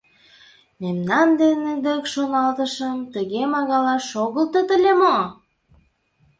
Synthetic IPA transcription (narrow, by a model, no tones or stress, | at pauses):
memnɑnd̪ened̪ekʃonɑlt̪ə̆ʃəmt̪əɣemɑɣɑlɑʃoɣəlt̪ət̪əlʲemo